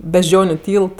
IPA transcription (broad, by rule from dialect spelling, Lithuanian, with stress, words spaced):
bʲɛʒʲˈd͡ʒʲoːnʲʊ ˈtʲiːlˠt